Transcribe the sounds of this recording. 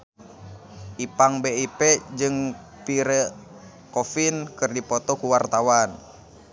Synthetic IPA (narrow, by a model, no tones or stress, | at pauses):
ʔipaŋbeipɛd͡ʒɨŋ | piɾə | kofinkɨrdipɔt̪ɔkuwart̪awan